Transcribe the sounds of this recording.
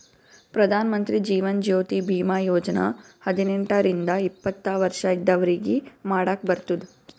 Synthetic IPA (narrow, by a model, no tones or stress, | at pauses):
pɾɐd̪ʱaːnɐmɐnt̪ɾid͡ʒiːʋɐnd͡ʒoːt̪ibʱiːmaːjoːd͡ʒɐnɐ̰hɐd̪inɛɳʈɐɾind̪ɐipːɐt̪ːaʋɐɾʂɐid̪ːɐʋɐɾiɡimaːɽaːk̚bɐɾt̪ud̪u